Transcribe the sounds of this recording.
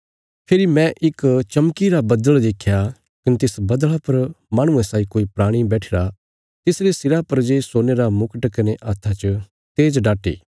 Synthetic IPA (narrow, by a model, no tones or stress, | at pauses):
pʰɪɾimɛ̃ʔɪkt͡ʃɐmkiɾabɐd̪əɭd̪eːkʰːja | kɐnet̪ɪsbɐd̪əɭapɐɾmãːɽ̃ʊ̃ẽsaːikoːipɾaːɽ̃ibɛːʈʰeːɾa | t̪ɪsɾesɪɾapɐɾd͡ʒesoːneɾamʊkəʈkɐneʔaːt̪ʰːat͡ʃə | t̪eːd͡ʒɖaːʈḛː